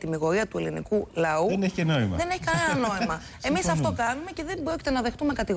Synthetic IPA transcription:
t̪imiɣo̞ɾiɐt̪ue̞linḭkulɐueneçieno̞imɐ̰ðe̞ne̞çikɐnenɐno̞imɐ | e̞misɐft̪o̞kɐnume̞ce̞ðe̞mbɾo̞ci̥t̪e̞nɐðe̞xt̪ume̞kɐt̪iɣ

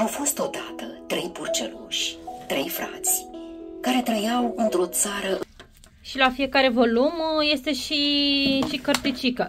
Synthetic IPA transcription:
awfo̞st̪o̞d̪at̪ət̪ɾe̞jpurt͡ʃeloʃʲt̪ɾe̞jfɾa̰t̪sʲkaɾe̞t̪ɾəjawɨnt̪ɾo̞t̪saɾəʔ | ʃilafije̞kaɾe̞vo̞lumje̞st̪e̞ʃiʃikərt̪it͡ʃikə

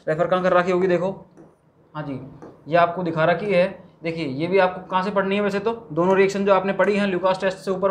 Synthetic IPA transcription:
ɾɛːpʰəɾkããkɐɾakiɦoːɡid̪eːkʰoː | ɦãːd͡ʒiːjeaːp̚kod̪ɪkʰaːɾakiɦɛːd̪eːkʰiejeːbʱiaːp̚kokɐɦãːs̬epɐɽ̤niɦɛbɛːs̬et̪oːd̪oːnõɾiɛːkʃənd͡ʒoːaːpnepɐɽiɦɛ̃ljuːkaːsʈesʈseuːpə

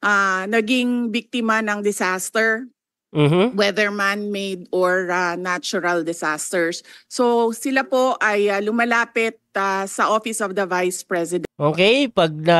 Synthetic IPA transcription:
ʔanɐɡɪŋbik̚t̪ɪmɐnɐŋd̪ɛsast̪ɛɹ | m̩m̩wɛðɛɹmanmejd̪oɹanat͡ʃʊɾɐld̪ɛsast̪ɛɹsːosɪlapo̞ʔɐjalʊmɐlaːpɪt̪̚asɐʔofɪsɔvd̪ɐvajspɹɛsɪd̪ɛʔoːkɛjpɐɡ̚nɐ

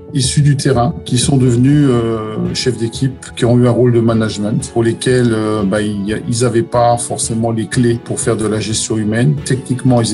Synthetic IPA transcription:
isyd̪yt̪ʰeʁɛ̃kʲisɔ̃d̪əvnyøʃɛfd̪ekʲʰip | kʲiɔ̃yɛ̃ʁold̪əmanaʒmɛ̃t̪puʁlekʲɛløbaiilzavɛpafɔʁsemɑ̃leklepuʁfɛʁd̪əlaʒɛst̪jɔ̃ymɛnt̪ɛk̚nikmɑ̃i

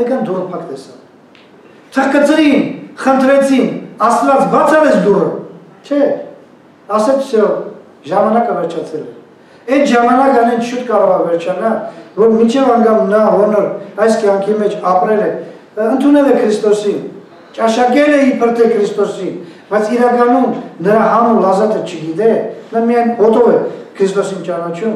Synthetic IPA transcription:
ɛkɑnd̪urəpʰɑkt̪ɛsɑv | t̪ʰəχkət͡səɾinχənt̪ʰɾɛt͡sʰinɑsvɑt͡sbɑt͡sʰɑvɛsd̪urət͡ʃʰɛ | ɑsɛt̪ʰsʰɛɾɔv | ʒɑmɑnɑkɑrɑt͡ʃʰɑt͡sʰɛlɛ | ɛt̪ʒɑmɑnɑkɑnɛnt͡ʃʰʃut̪kɑɾɔʁɑvɛɾt͡ʃʰɑnɑlvɔɾmint͡ʃʰɛvɑŋkʰɑmnɑɦɔɾnɔɾɑjskjɑŋkʰimɛt͡ʃʰɑpɾɛɾɛ | ənt̪ʰunɛlɛkʰɾist̪ɔsin | t͡ʃʼɑʃɑkɛɾɛipʰəɾt̪ɛlkʰɾist̪ɔsinbɑjt͡sʰiɾɑkɑnumnəɾɑɦɑnulɑzɑt̪ət͡ʃʰəɡit̪ɛnɑmijɑjnhɔt̪ɔʁɛkʰəɾist̪ɔsint͡ʃɑnɑt͡ʃʰjum

